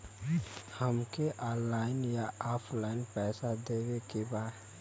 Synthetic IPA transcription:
həmkeʔɔːnlaːɪnjaɔːpʰlaːɪnpɛːsad̪eːwekebaːd̪

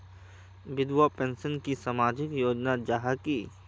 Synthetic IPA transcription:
ʋɪd̪wapẽːnsənkisamaːd͡ʒɪkjoːd͡ʒnad͡ʒaɦakiː

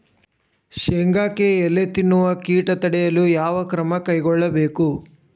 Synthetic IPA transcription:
ʃeŋɡaːkeɛlːet̪inːuʋɐkiːʈɐt̪ɐɽɛjɐlujaːʋɐkɾɐmɐkɐjɡɔɭːɐbe̞ːku

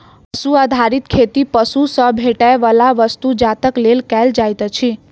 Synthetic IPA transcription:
pəsuad̪ʱaɾit̪kʰet̪ipəsusəbʱeʈajʋəlaʋəst̪ud͡ʒat̪əklelkɛld͡ʒajt̪ət͡ʃʰi

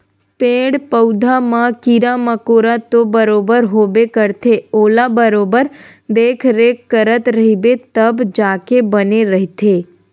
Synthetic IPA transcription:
pẽɽpəwd̪ʱamãkiɾaməkoɾat̪obəɾobəɾɦobekəɾt̪ʰeolabəɾobəɾ | d̪ekʰɾekːəɾət̪ɾəɦibet̪əbd͡ʒakebəneɾəɦit̪ʰe

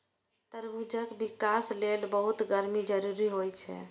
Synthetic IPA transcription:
t̪əɾbud͡ʒəkbikaslelbəɦut̪ɡəɾmid͡ʒəɾuɾiɦojt͡ʃʰɛ̰

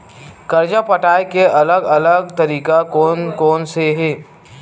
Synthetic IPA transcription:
kɐɾd͡ʒapəʈaːjkeɐləɡɐləɡ̚t̪ɐɾiːkakoːnkoːnseɦeː

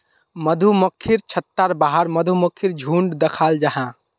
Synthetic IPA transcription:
məd̪ʱuməkʰːiɾt͡ʃʰət̪ːaɾbaɦəɾməd̪ʱuməkʰːiɾd͡ʒʱuɳɖd̪əkʰald͡ʒaɦã

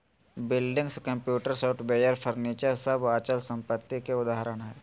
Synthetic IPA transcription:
bɪlɖɪ̃ŋɡskə̃mpjuːʈəɾsoːʈbeːjəɾfʰəɾniːt͡ʃəɾsɐbaːt͡ʃəlsə̃mpət̪ːikeʊd̪aːɦɾəɽ̃ɦɛː

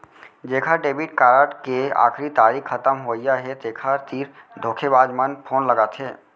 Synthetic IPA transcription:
d͡ʒeːkʰaɖeːbiʈ̚kaːɾəːʈkea̰ːkʰɾit̪aːɾiːkxət̪əmɦoːɪjaɦet̪eːkʰaɾt̪iːɾd̪ʱoːkʰebaːd͡ʒmənpʰoːnləɡaːt̪ʰɦeː

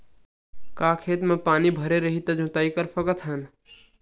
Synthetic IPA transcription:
kaːkʰeːt̪mẽpaːnibʱəɾeɾəɦit̪ɐd͡ʒʱũt̪aːikəɾpʰəkət̪ɦən

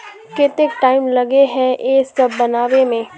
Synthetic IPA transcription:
kɪt̪ɪkʈaːɪmlɐɡeɦɛ̃ʔeːsɐbːɐnaːʋemẽː

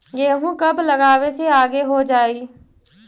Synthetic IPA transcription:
jeːɦũkəbləɡaːweseaːɡeɦod͡ʒaːiː

